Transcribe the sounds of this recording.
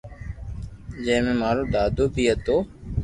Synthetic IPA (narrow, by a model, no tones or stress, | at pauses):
d͡ʒə̃ɦmẽːmaːɾoːɗ̪aːd̪ʱoːbʱiːɦət̪oː